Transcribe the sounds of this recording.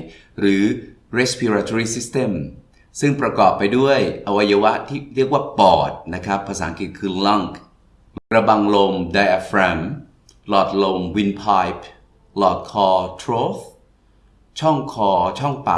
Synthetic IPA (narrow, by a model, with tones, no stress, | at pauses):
ɾɯː˩˦ | ɾe˦˥spʰi˧ɾaː˧t̪ʰo˧ɾiː˥˩si˦˥st̪e˧˩m | sɯ˥˩ŋpɾa˧kɔː˨˩pːa˧jdu˥˩əjʔa˧wa˧ja˧wa˦˥t̪ʰiː˥˩ɾi˥˩ək̚waː˥˩pɔː˨˩t̪̚na˦˥kʰɾa˦˥pʰːa˧saː˩˦ŋki˨˩kʰɯː˧la˦˧˩ŋk | kɾa˧ba˧ŋlo˧mda˧jʔa˧fɾɛ˧m | lɔː˨˩t̪̚lo˧mwi˧npʰa˧˥jp̚ʰ | lɔː˨˩t̪̚kʰɔː˧t̪ʰɾoː˦˥θ | t͡ɕʰɔ˥˩ŋkʰɔː˧t͡ɕʰɔ˥˩ŋpa̰ː˨